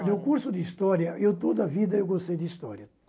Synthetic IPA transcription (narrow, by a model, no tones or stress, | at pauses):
newkuɾsʊd̪iist̪ɔɾjɐʔewt̪od̪ɐvid̪ɐewɡost̪ejd̪ist̪ɔɾjɐ